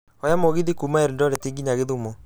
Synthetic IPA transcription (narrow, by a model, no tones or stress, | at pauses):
ɔjamoɣiðikumaɛɾindɔɾɛtiŋɡiɲaɣeðumo